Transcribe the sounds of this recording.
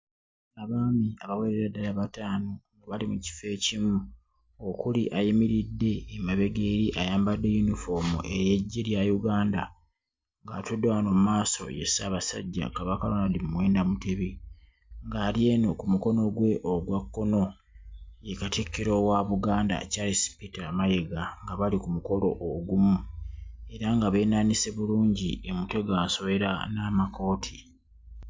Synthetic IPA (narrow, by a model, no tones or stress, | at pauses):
aβaːmiaβaweɾeɾadalaβataːno̞ŋɡaβalimuci̥fe̞cimu | okuliʔajimiɾidːe̞ːmaβe̞ɡeːɾiʔajaːmbadːe̞junifo̞mṵʔe̞jeɟːeljajuɡaːnda̰ | ŋɡaːtudːewano̞mumaːso̞̰jḛsaːβasa̰ɟːa̰kaβakalonalimuwe̞ːndamute̞βi | ŋɡaːlje̞ːno̞kumuko̞no̞ɡwe̞ʔoɡwakːo̞no̞ | je̞katikːiɾo̞waβuɡaːnda̰caːlisi̥pitamajeɡaŋɡaβalikumuko̞lo̞̰ʔoɡumu | e̞ɾaŋɡaβe̞ːnaːnise̞βuluːɲɟiemute̞ɡaːso̞βe̞ɾa̰naːmako̞ːtʰi